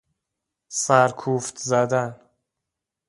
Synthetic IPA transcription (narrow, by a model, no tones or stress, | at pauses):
sæɾkʰuːft̪zæd̪æn